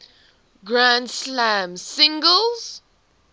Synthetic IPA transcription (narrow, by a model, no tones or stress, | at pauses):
ɡɹãndslamsɪ̃ŋɡəlˠz̥